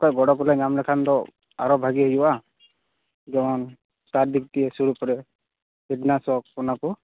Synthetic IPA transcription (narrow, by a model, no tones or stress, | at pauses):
kɔjɡɔɽɔk̬ɔlɛŋamlɛkʰand̪ɔ | a̰ɾɔbʱaɡiɦejuwa | ɡɛɔn | saɾd̪ik̚t̪iɛsuɾupɔɾɛ | idnasɔk̚pɔnaku